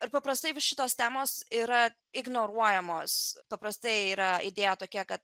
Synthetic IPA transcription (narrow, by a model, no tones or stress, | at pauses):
ɪɾpɐpɾɐst̪ɐɪʋʲɪʃʲɪt̪oːst̪ʲæːmoːsiːɾɐ | ɪɡnoːɾuɔjɛmoːspɐpɾɐst̪ɐɪiːɾɐɪd̪ʲeːjɛt̪oːkʲɛkɐt̪̚